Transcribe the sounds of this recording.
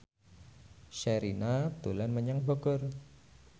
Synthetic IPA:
ʃɛɾinat̪ulanməɲaŋbɔɡʊr

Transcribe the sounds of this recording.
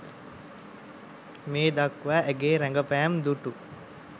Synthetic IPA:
meːd̪akʋæːeɡeːɾæŋɡəpæːmd̪uʈu

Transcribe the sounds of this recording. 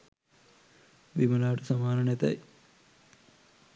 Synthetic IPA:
ʋimɐlaːʈusɐmaːnɐnet̪ɐ̰j

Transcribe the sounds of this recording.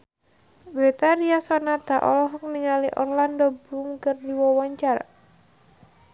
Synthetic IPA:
bɾɛt̪aɾiasɔnat̪aʔɔ̰lɔɦɔk̚niŋaliʔɔ̰rlandɔbɾumkərdiwɔwɔɲt͡ʃar

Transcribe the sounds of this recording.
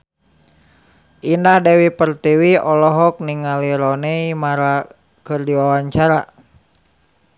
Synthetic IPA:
ʔindahdɛwipərt̪iwiɔlɔɦɔk̚niŋaliɾɔnɛimaɾa | kɨrdiwawaɲt͡ʃaɾa

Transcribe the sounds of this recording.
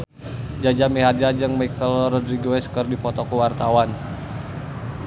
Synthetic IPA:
d͡ʒad͡ʒamiɦad͡ʒad͡ʒɨŋmajkʰəlrɔdɾiɡoɛskərdipɔt̪ɔkuwart̪awan

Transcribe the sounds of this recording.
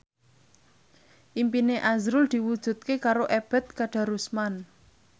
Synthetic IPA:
ʔimpineʔazɾʊld̪̥i̤wud̥ʒ̥ṳt̪̚kekaɾoʔɛb̥ɛ̤t̪̚kaɖ̥ä̤ɾusman

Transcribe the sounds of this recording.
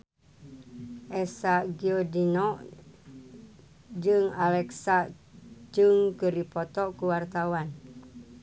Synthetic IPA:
ʔɛsaɡiodinɔʔ | d͡ʒɨŋalɛksa | d͡ʒɨŋkəɾipɔt̪ɔkuwart̪awan

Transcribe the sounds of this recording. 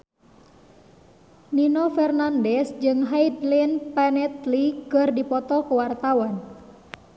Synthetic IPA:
ninɔfɛrnandɛsd͡ʒɨŋɦaid̪linpɛnɛt̪likɨrdipɔt̪ɔkuwart̪awan

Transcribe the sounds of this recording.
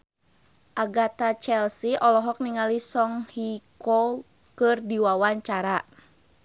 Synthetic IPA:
ʔaɡat̪at͡ʃɛlsiʔɔlɔɦɔk̚niŋalisɔŋhikɔ | kɨrdiwawaɲt͡ʃaɾa

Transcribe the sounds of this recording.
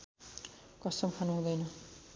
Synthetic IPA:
kʌsʌmkʰanuɦũd̪ʌjnʌ

